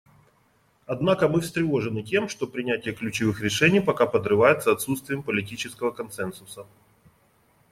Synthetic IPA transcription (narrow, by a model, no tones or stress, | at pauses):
ɐd̪nakəmɨfst̪ɾʲɪvo̞ʐɨnɨtʲe̞mʂt̪o̞pɾʲɪnʲætʲɪjəklʲʉt͡ɕɪvɨxɾʲɪʂɛnʲɪjpɐkapəd̪rɨvajɪt̪sɐɐt̪sut̪st̪vʲɪjəmpəlʲɪtʲit͡ɕɪskəvəkɐnt̪sɛnsʊsə